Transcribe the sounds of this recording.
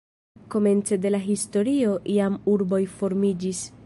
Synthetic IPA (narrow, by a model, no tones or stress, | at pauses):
ko̞me̞nt͡se̞de̞laɦisto̞ɾio̞ʔiamuɾbo̞jfo̞ɾmid͡ʒis